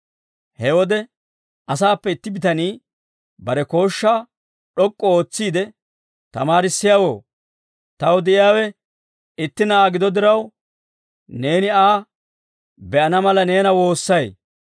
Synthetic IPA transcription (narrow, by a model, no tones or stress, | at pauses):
hɛwɔd̪ɛ | ɐsaːpːɛɪt̪ːɪbɪt̪ɐniː | bɐɾɛko̞ːʃːaː | ɗɔkʼːɔo̞ːt͡sːiːd̪ɛ | t̪ɐmaːɾɪsːɪjawo̞ː | t̪ɐwd̪ɪʔɪjaːwɛ | ɪt̪ːɪnɐaːɡɪd̪ɔd̪ɪɾɐw | ne̞ːnɪaː | bɛʔɐnɐmɐlɐne̞ːnɐwo̞ːsːɐj